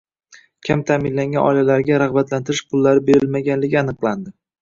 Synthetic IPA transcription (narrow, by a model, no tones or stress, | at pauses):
kʲʰamt̪ʰaːmɪnlaŋɡʲanʔɒ̰jlalaɾɡʲaɾahbat̪lant̪ʰɪɾɪʃqʰʊlˠːaɾɪbe̞ɾɪlmaɡʲanlɪɡʲɪanɨqlˠand̪ɪ